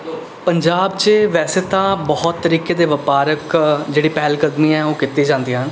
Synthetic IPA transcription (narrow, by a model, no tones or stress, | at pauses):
pəɲd͡ʒaːbt͡ʃeʋɛːseːt̪ãːbɔɦt̪ːəɾiːkeːd̪eːʋəpaːɾəkd͡ʒeːɽiːpɛːlkəd̪miːɛːoːkɪt̪ːiːd͡ʒãːnd̪iːɦən